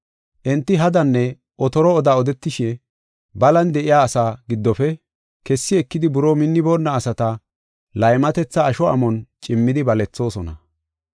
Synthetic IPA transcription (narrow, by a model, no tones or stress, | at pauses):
ʔɛnt̪ːɪɦɐd̪ɐnːɛ | ʔɔt̪ɔɾɔːd̪aːɔd̪ɛt̪ːɪʃɛ | bɐlɐnd̪ɛʔɪjaːsaːɡɪd̪ːɔfɛ | kɛsːɪɛkːɪd̪ɪbʊɾoːmɪnːɪboːnːɐːsɐt̪ɐ | lɐjmɐt̪ɛt͡sːɐːʃɔʔɐ̰mɔnt͡ʃʼɪmːɪd̪ɪbɐlɛt͡sːo̞ːsɔnɐ̰